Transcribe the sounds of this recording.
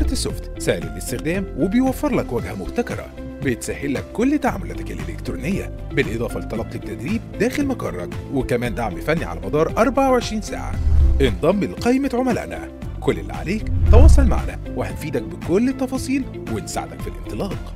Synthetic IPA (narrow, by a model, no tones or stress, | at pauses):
ɑɾˤɑt̪esːoft̪sæːʔlelʔest̪ɪxd̪æːmwebejwæfːeɾˤlækwæɡhæmʊbt̪ækɑɾˤɑ̰ | bet̪sæhelːækːolːt̪aʕa̰molæːt̪ækelʔelekt̪ɾuːnejːæ̰ | belʔed̪ˤɑːfɑlet̪ˤːɑlɑq̪ːet̪ːæd̪ɾiːb̚d̪æːxelmɑkɑ̰rˤːɑ̰dwekæmæːnd̪aʕmefænːiʕa̰læmɑd̪ˤɑːɾˤʔɑɾˤbaʕaweʕeʃɾiːnsa̰ːʕa̰ʔend̪ˤɑmːilqɑjmæt̪ʕomælæ̰ːʔnæ̰ | kolːelːḭʕa̰leːkt̪ɑwɑːsˤɑlma̰ʕnæ̰weħænfiːd̪æk̚bekolːet̪ˤːɑfɑːsˤiːl | wensa̰ʕ̰d̪ækfilʔent̪ˤɨlɑːq